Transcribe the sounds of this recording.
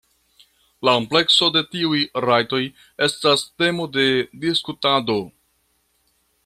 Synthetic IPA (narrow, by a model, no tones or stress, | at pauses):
lakomple̞kso̞de̞tiujɾajto̞j | e̞staste̞mo̞de̞diskutado̞